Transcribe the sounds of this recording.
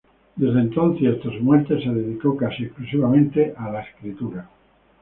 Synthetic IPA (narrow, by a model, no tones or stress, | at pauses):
d̪e̞zðent̪on̟θjeɾt̪ozmwent̪eseðeðikokasiesklusiβamẽnt̪eʔalaeskɾit̪uɾa